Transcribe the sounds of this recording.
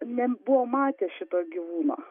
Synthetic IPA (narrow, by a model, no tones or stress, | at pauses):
nʲɛbʊʋoːmɑːt̪ʲeʃʲɪt̪oːɡʲiʋuːno̰